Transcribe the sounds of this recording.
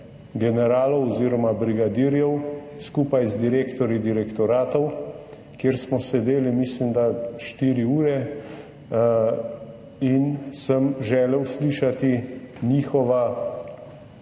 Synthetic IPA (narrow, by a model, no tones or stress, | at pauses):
ɡɛnɛɾaːlɔwɔziːɾɔmabɾiɡad̪iːɾjɛwskuːpajzd̪iɾeːkt̪ɔɾjid̪iɾɛkt̪ɔɾaːt̪ɔw | kjeːɾsmɔsɛd̪eːlimislimd̪aʃt̪iːɾiuːɾɛ | insəmʒɛːlɛwsliːʃat̪iniːxɔʋa